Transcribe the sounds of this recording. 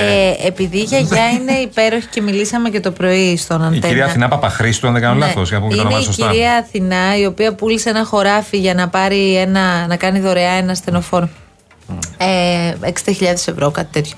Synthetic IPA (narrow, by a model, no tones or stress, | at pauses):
eepiðiʝɐʝɐineipe̞ɾo̞çi̥ce̞milisɐme̞ce̞t̪o̞pɾo̞ist̪o̞nɐnieiɾiɐθθinɐpɐpɐxɾist̪uɐnðeɡɐnolɐθosʝnɐpumiɐneissciɐɾiɐːθinɐio̞piɐpuliseenɐxo̞ɾɐfiʝɐnɐpɐɾie̞nɐnɐkɐniðo̞ɾeɐe̞nɐst̪e̞no̞fo̞ɾ | eeksind̪ɐçiʎɐðe̞se̞vɾo̞kɐt̪i̥t̪e̞t̪ço